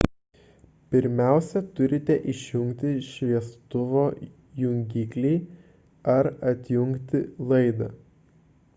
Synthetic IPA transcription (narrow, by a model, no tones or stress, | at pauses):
pʲɪɾʲmʲæˑʊsʲɛt̪ʊɾʲɪt̪ʲɛʔɪʃʲjʊŋʲkt̪ʲɪʃʲʋʲiɛst̪ʊʋoː | jʊŋʲɡʲiːklʲɛɪ | ɐɾɐt̪ʲjʊŋʲkt̪ʲɪlˠɐɪd̪ɐ̰ː